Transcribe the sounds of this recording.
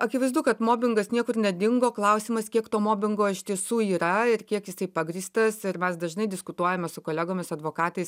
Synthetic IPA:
ɐkʲɪʋɐɪzd̪uːkɐt̪moːbʲɪŋɡɐsnʲiɛkʊrnʲɛd̪ʲɪŋɡoːklˠɐʊsʲiːmɐskʲiɛkt̪oːmoːbʲɪŋɡoːɪʃʲt̪ʲiɛsuːiːɾɐɪrkʲiɛkjɪsɐɪpɑɡɾʲiːst̪ɐsɪɾmʲɛsd̪ɐʒnɐɪd̪ʲɪskʊt̪uɔjɛmʲɛsʊkoːlʲæɡoːmʲɪsɐd̪ʋoːkɑːt̪ɐɪs

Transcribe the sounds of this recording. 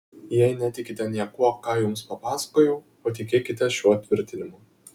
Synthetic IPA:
jɛɪnʲɛt̪ʲɪkʲɪt̪ʲɛnʲiɛkuɔkɑːjʊmspɐpɑːsɐ̥koːjɛʊ | oːt̪ʲɪkʲeːkʲɪt̪ʲɛʃʲuɔt̪ʲʋʲɪɾʲt̪ʲɪnʲɪmo

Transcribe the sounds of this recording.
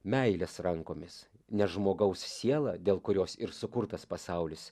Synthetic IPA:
mʲɛɪlʲesɾɐŋkoːmʲɪs | nʲɛʒmoːɡɐʊssʲiɛlˠɑːd̪ʲeːlˠkʊɾʲoːsɪɾsʊkʊɾt̪ɐspɐsɑʊlʲɪs

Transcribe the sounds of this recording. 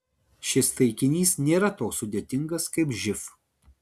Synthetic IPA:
ʃʲɪst̪ɐɪkʲɪnʲiːsnʲeːɾɐt̪oːksːʊd̪ʲeːt̪ʲɪŋɡɐskɐɪpʒʲɪf

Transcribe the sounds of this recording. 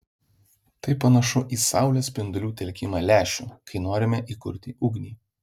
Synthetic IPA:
t̪ɐɪpːɐnɐʃʊʔiːsɑʊlʲɛsʲpʲɪnd̪ʊlʲuːt̪ʲɛlʲkʲɪmɑːlʲæːʃʲṵːkɐɪnoːɾʲɪmʲɛʔiːkʊɾʲt̪ʲiˑʔʊɡnʲiː

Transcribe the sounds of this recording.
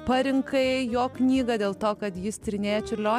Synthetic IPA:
pɐɾʲɪŋkɐɪjoːknʲiːɡɐd̪ʲeːlˠt̪oːkɐt̪jɪst̪ʲɾʲɪnʲeːjɛt͡ʃʲɪɾʲlʲoː

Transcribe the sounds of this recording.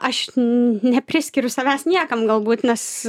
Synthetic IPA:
ɐʃnʲɛpʲɾʲɪsʲkʲɪːɾʲʊsɐʋʲæːsnʲiɛkɐmɡɐlˠbuːt̪ʲnʲɛs

